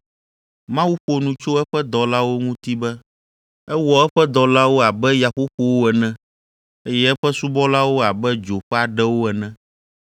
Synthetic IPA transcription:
mã˦wu˦ɸo˨nũ˨t͡ʃo˦ɛ˦ɸɛ˦d̪ɔ˨la˦wo˦ŋũ˦t̪i˦bɛ˦ | ɛ˦wɔ˨ɛ˦ɸɛ˦d̪ɔ˨la˦wo˦a˨bɛ˦ja˨ɸo˦ɸo˨wo˦ɛ˨nɛ̃˦ | e˦jɛ˦ɛ˦ɸɛ˦su˦bɔ˦la˦wo˦a˨bɛ˦d͡ʒo˨ɸɛ˦a˨ɖɛ˦wo˦ɛ˨nɛ̃˦

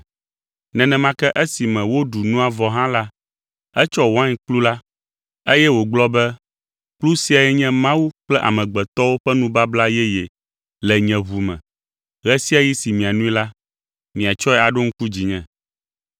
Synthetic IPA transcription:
nɛ̃˨nɛ̃˨mã˦kɛ˦ʔɛ˦si˨mɛ̃˨wo˦ɖu˨nũ˦a˨vɔ˨ɦã˦la˦ | ɛ˦t͡ʃɔ˦wã˦ɲ˨k͡plu˦la˦ | e˦jɛ˦wo˨ɡ͡blɔ˦bɛ˦ | k͡plu˦si˦a˨jɛ˦ɲɛ̃˦mã˦wu˦k͡plɛ˦ʔa̰˨mɛ̃˨ɡ͡bɛ˨t̪ɔ˦wo˦ɸɛ˦nũ˦ba˦bla˦jɛ˦jɛ˨ | lɛ˨ɲɛ̃˨βu˨mɛ̰̃˨ | ɣɛ˦si˦a˨ji˦si˨mĩ˨a˨nũ˦i˦la˦ | mĩ˨a˨t͡ʃɔ˦ɛ˦a˨ɖo˦ŋ̩̃˦ku˦d͡ʑi˨ɲɛ̃˨

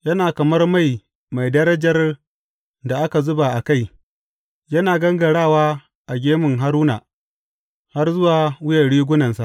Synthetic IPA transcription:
jɐ˦naː˨kɐ˨mɐ˦rma˦˨j | ma˨jdɐ˦ɾɐ˦d͡ʒɐ˨r | da˨ʔa˦ka˨zʊ˦ba˨ʔa˨ka˦˨j | jɐ˦naː˨ɡɐ˦ŋɡɐ˨ɽaː˦˨waː˦ | ʔa˨ɡʲeː˦mɪ˨ŋɦa˦ɾuː˦na̰ː˨ | ha˦rzʊ˦waː˨wʊ˦jɐ˨rɽiː˦ɡʷʊ˦nɐ˨nsa˨ʔ

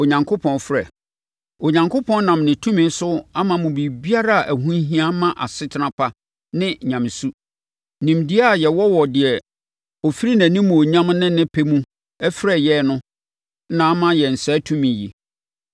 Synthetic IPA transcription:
o˨ɲã˨ŋkʰʊ˦pʰɔ̃˨nfɾɛ˨ | o˨ɲã˨ŋkʰʊ˦pʰɔ̃˦nnã˨mnɪ̃˨tʰũ˦mɪ̃˦n˦sʊ˦a˦mã˨mʊ̃˨bi˨bi˦a˦ɾa˦a˨ʔæ˨ɦũ˦n˦ɦĩ˦a˦mã˦ʔa˨sɪ˦tʰɪ˦nã˦pʰa˦ | nɪ̃˦ɲã˨m˨su˦ | nĩ˨mdi˦a˦˨jɛ˨wɔ˦wɔ˨dɪ˨ɛ˨ | ɔ˨fi˦ɾi˦næ̃˨nĩ˦mũ˨o˨ɲã˦mnɪ̃˦nɪ̃˦pʰe˦mũ˦ | ɛ˦fɾɛ˦˨jɛ˦˨nʊ̃˦ | nã˨˦mã˦jɛ˨n̩˨sɛː˨˦tʰũ˦mĩ˨ji˨

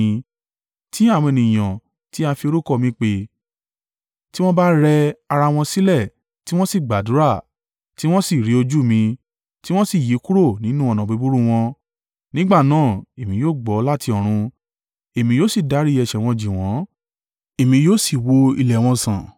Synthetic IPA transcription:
ti˦a˦˨w̃ɔ̃˧e˨nĩ˨j̃ã˨ | ti˦a˧fi˧o˧ɾu˦˨kɔ˦˨mĩ˧k͡pe˧ | ti˦w̃ɔ̃˦ba˦ɾɛ˧a˧ɾa˧w̃ɔ̃˧si˦lɛ˦˨ | ti˦w̃ɔ̃˦si˦˨ɡ͡ba˨du˨˦ɾa˦˨ | ti˦w̃ɔ̃˦si˦˨ɾi˨˦o˧d͡ʒu˦mĩ˧ | ti˦w̃ɔ̃˦si˦˨ji˨˦ku˦ɾo˦˨nĩ˨˦nũ˦ɔ˨nã˨be˨˧bu˦ɾu˦w̃ɔ̃˧ | nĩ˦ɡ͡ba˦˨nãː˦˨e˨mĩ˧joː˦˨ɡ͡bɔ˨˦la˦tʰi˧ɔ˨ɾ̃ũ˧ | e˨mĩ˧joː˦si˦˨da˨˦ɾi˦ɛ˧˨ʃɛ˨w̃ɔ̃˧d͡ʒi˨w̃ɔ̃˨˦ | e˨mĩ˧joː˦˨si˦˨wo˧ḭ˧lɛ˨w̃ɔ̃˧sã˨

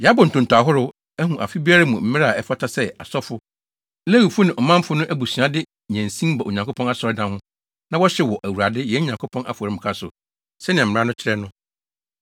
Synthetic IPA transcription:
jɛ˨a˦bɔ˨n̩˨tʰʊ̃˨n˨tu˨a˨ɦʊ˦ɾʊ˦ | æ˦ɦũ˨ʔa̰˨fi˦bi˦a˦ɾa˦mũ˨m̩˦mɪ̃˦ɾa˦˨ɛ˦fa˦tʰa˨sɛ˦a˨sɔ˦fʊ˦ | læ˦wi˨fʊ˦nɪ̃˨ʔɔ˨mã˦m˦fʊ˦nʊ̃˦ʔæ˦bu˨si˨a˦dɪ˦ | ɲæ̃˨n˨sĩ˦mba˨ʔo̰˨ɲã˨ŋ˨kʰo˦pʰɔ̃˦a˦˨sɔ˨ɪ˦dã˨hʊ̃˦ | nã˦wɔ˦ɕɛ˦wɔ˨ʔæ˨wu˨ɾa˨dɪ˦jɛ˨˦ɲã˨ŋkʰo˦pʰɔ̃˦na̰˦fɔ˨ɾɪ˦m̩̃˨kʰa˦sʊ̰˨ | sɛ˦nɪ̃˨ɛ˨m̩m˨ɾa˦nʊ̃˦t͡ɕʰɪ˦ɾɛ˦nʊ̃˦

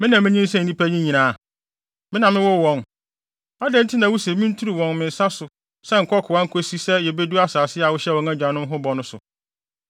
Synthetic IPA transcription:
mɪ̃˦nã˨mɪ̃˦ɲĩ˦n̩˦sɛ̃˦n̩˨nĩ˦pʰæ˦ɲĩ˦ɲĩ˨nãː˨ | mɪ̃˦nã˨mːɪ̃˦wɔ˦wɔ̃˨n | a˦dɛ̃˦n̩˦tʰɪ˦nã˨wu˦se˨˦mɪ̃˦n̩˦tʰu˦ɾi˨wɔ̃˨nmɪ̃˨n̩˨sa˦sʊ˨ | sɛ˦ŋ̩˨kʰɔ˦kʰʊ˨ã˦ŋ̩˦kʰo˦si˦sɛ˦jɛ˨be˦du˦a˦saː˨sɪ˦a˨wʊ˦ɕɛ˦˨wɔ̃˨ŋã˦d͡ʑᶣã˨nʊ̃˦m˦ɦʊ̃˦bɔ˨nʊ̃˦sʊ̰˨

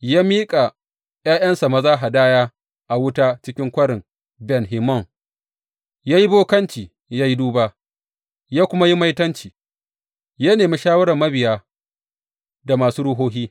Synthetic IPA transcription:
jaː˦miː˦kʼa˨ | jaː˦jɐ˦nsa˨mɐ˨zaː˦ɦa˨daː˦jaː˦ | ʔa˨wʊ˦taː˦t͡ʃɪ˦kʲɪ˦ŋkʷɐ˦ɽɪ˨ŋ | bɛ˨nɦɪ˨mɔ˦˨ŋ | jaː˦ji˦boː˦kɐ˦nt͡ʃiː˨ | ja˦ji˦duː˦baː˦ | jaː˦kʷʊ˦ma˦ji˦ma˦jtɐ˦nt͡ʃiː˨ | jaː˦neː˨mi˦ʃaː˦wɐ˦ɽɐ˨mːɐ˦bɪ˨jaː˦ | da˨maː˨suː˦ɽʊ˦ɦoː˦ɦiː˦

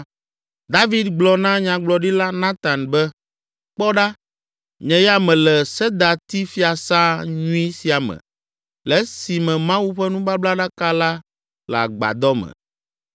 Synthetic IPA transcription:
d̪a˦vi˦d̪ɡ͡blɔ˨nã˦ɲã˨ɡ͡blɔ˨ɖi˦la˦nã˦t̪ã˨nbɛ˦ | k͡pɔ˦ɖa˦ | ɲɛ̃˨jɛ˦a˦mɛ̃˨lɛ˨sɛ˦d̪a˨t̪i˦fi˦a˨sã˦ɲũ˦i˦si˨a˨mɛ̰̃˨ | lɛ˦si˨mɛ̃˨mã˦wu˦ɸɛ˦nũ˦ba˦bla˦ɖa˦ka˦la˦ | la̰˨ɡ͡ba̰˨d̪ɔ˦mɛ̰̃˨

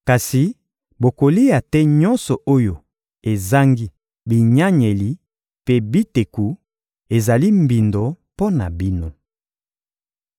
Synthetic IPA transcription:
ka˨si˨ | bo˨ko˨li˦ja˨tɛ˦ɲɔ˦nsɔ˨ʔo˦jo˨ | e˨za˦ŋɡi˦ | bi˨ɲa˦ɲe˨li˨ | pe˦bi˦te˨ku˨ | e˨za˨li˦mbi˨ndo˨ | po˦na˨bi˦no˦

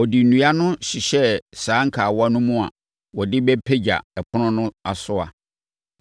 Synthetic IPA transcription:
ɔ˨di˨nũ˨a˦nʊ̃˦ɕi˨ɕɛ˦saː˨˦ŋ̩˦kʰaː˨wa˦nʊ̃˦mũ˦a̰˨ | wɔ˨dɪ˦bɛ˦pʰe˦d͡ʑa̰˨ɛ˨pʰʊ˦nʊ̃˦nʊ̃˦a˨sʊ˦a̰˨

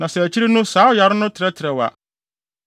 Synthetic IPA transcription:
nã˨sɛ˨æ˨t͡ɕʰi˦ɾe˦nʊ̃˦saː˨˦ʊ˦˨ja˨ɾɪ˦nʊ̃˦tʰɪ˨ɾɛ˦tʰɪ˨ɾɛ˨wa̰˨

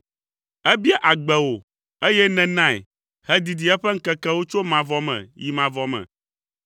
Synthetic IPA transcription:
ɛ˦bi˦a˦ʔa˨ɡ͡bɛ˨wo˨ | e˦jɛ˦nɛ̃˨nã˦˨ɛ̰˨ | hɛ˦d̪i˨d̪i˨ɛ˦ɸɛ˦ŋ̩˦kɛ˦kɛ˦wo˦t͡ʃo˦mã˨vɔ˦mɛ̰̃˨ji˨mã˨vɔ˨mɛ̰̃˨

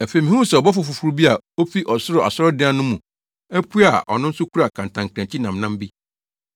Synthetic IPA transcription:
ɛ˨fe˨mĩ˨hũ˦sɛ˨ɔ˨bɔ˦fʊ˨fʊ˨fu˦ɾbi˦a˨ | o˦fi˦ʔɔ˨sʊ˦ɾɔ˨ʔa̰˨sɔ˦ɾɔ˦dɪ̃˦a˦nʊ̃˦mũ˨ | æ˦pʰu˦a˨ʔɔ̰˨nʊ̃˦n̩˦sʊ˦kʰu˦ɾa˨kʰã˨n˨tʰã˨ŋkʰɾã˨t͡ɕʰi˦nã˨mnã˦mbi˦

